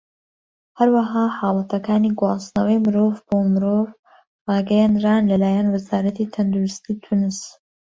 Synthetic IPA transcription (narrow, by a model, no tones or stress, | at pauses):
hɐɾwɐɦaːħɑːlˠɐt̪ʰɐkaːniɡwɑːsnɐwejmɨɾoːvboːmɨɾoːv | rɑːɡɛjand̪ɾaːnlɐlaːjanwɨzaːɾɐt̪it̪ʰɐnd̪uɾɨst̪iːt̪ʰunɨs